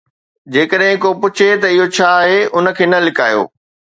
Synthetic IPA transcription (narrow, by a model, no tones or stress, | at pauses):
d͡ʑeːkəɗɦɪ̃kopʊt͡ɕʰet̪ɐɪɦot͡ɕʰaːɦeʊnə̆kʰeːnɐlɪkaːjo̰ː